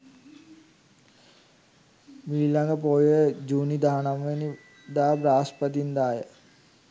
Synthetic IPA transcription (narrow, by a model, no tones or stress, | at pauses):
miːlaŋɡəpoːjəd͡ʒuːnid̪aɦanamʋeni | d̪aːbɾaːspət̪̬ind̪aːjə